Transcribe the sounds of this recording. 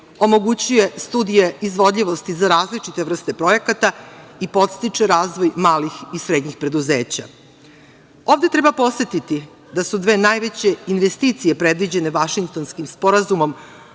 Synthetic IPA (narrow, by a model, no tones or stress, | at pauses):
o̞mo̞ɡut͡ɕuje̞st̪uːd̪ije̞izʋo̞d̪ʎʲiʋo̞st̪izaɾaːzlit͡ʂit̪eʋr̩st̪e̞pɾo̞jekat̪aipo̞t̪st̪it͡ʂeɾaːzʋo̞jmaːlixisɾe̞d̪ɲixpɾe̞d̪uze̞ːt͡ɕa̰ | o̞vd̪e̞t̪ɾe̞bapo̞sʋe̞t̪it̪i | d̪asud̪ʋe̞ːnaːjʋe̞t͡ɕe̞inʋe̞st̪iːt̪sije̞pɾe̞d̪ʋid͡ʑe̞ne̞ʋaʃiŋk̚t̪o̞nskimspo̞ɾazumo̞m